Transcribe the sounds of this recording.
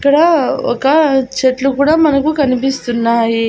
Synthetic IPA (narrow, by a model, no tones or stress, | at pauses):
kɐɽao̰kat͡ɕeʈlukuːɽamɐnɐkuːkɐnipist̪unːaɦi